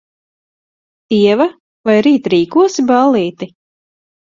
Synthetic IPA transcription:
t̪iɛva | vajɾiːt̪ɾiːkuɔsibalˠiːt̪i

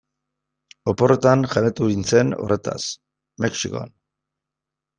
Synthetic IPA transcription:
o̞po̞ret̪anʝaret̪uint͡se̞no̞̰re̞t̪a̰s | meksiko̰a̰n

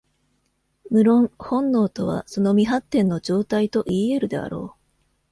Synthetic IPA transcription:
mɯ̟ɾõ̞ŋhõ̞nːo̞ːt̪o̞βa̰so̞no̞mʲiɦat̪ːẽ̞nːo̞d͡ʑo̞ːt̪ait̪o̞ʔiːe̞ɾɯ̟d̪e̞a̰ɾo̞̰ː

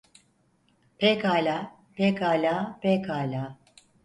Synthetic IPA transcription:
pʰɛkalʲa | pɛkalapɛkalʲa

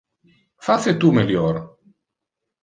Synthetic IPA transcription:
faset̪umeljɔɾ

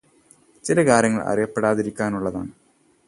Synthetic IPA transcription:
t͡ɕilɐkaːɾjɐŋːɐɭɐ̰ɾɐjɐpːeɽaːðiɾikʲːaːnuɭːɐða̰ːɳɨ

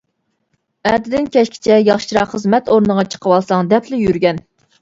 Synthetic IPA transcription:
ɛd̪ɪd̪ɪnkʲɛʃkʲʰɪ̥t͡ʃʰɛjɑχʃiɾɑqχəzmɛt̪oɾnəʁɑt͡ʃʰə̥qʰəwɑlˠsɑŋd̪ɛpʰlɪjyɾɡʲɛn

